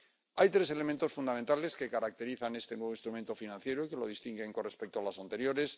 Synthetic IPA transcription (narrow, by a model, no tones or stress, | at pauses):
ajt̪ɾe̞se̞le̞mẽnt̪o̞sfund̪amẽnt̪ale̞ske̞kaɾak̚t̪e̞ɾiθane̞st̪e̞nwe̞βinst̪ɾument̪o̞finãn̟θje̞ɾoike̞lo̞ðist̪iŋɡe̞ŋkonrespe̞k̚t̪oalasant̪e̞ɾjo̞ɾe̞s